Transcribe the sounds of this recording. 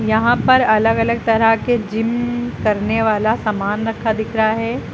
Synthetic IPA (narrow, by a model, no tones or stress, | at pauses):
jɐɦãpɐɾɐləɡɐləɡ̚t̪ɐɾəɦked͡ʒɪmkɐɾneʋaːlasamaːnɾɐkʰːad̪ɪkʰɾaɦɛː